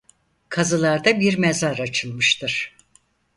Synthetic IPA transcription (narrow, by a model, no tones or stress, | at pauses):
kʰazɯlˠaɾd̪abiɾmezaɾat͡ʃʰɯlˠmɯʃt̪ʰɯɾ̥